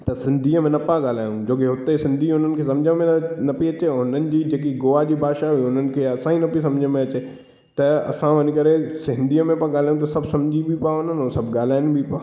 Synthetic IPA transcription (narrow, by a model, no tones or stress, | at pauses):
t̪ɐsɪ̃nd̪ʱiːəmẽnɐpãɠaːl̤aːjũd͡ʑoːkeɦʊt̪esɪ̃nd̪ʱiʊn̤ənɪ̆kʰes̬ɐ̃md͡ʑʱəmẽnɐpiɐt͡ɕeɦʊnənɪ̆d͡ʑiːd͡ʑeːk̬iɡoːʋad͡ʑiːbaːʃaiʊn̤ənɪ̆kʰeɐsãːinɐpis̬ɐ̃md͡ʑʱəmẽɐt͡ɕe | t̪ɐɐ̰sãʋɐnɪ̃kɐɾesɦɪ̃nd̪ʱiəmẽpãɠaːl̤aːjũt̪̬ɐsɐbʱsɐmd͡ʑʱibʱipaɦʊnənʊ̃sɐbɠaːl̤aːɪnbʱipaː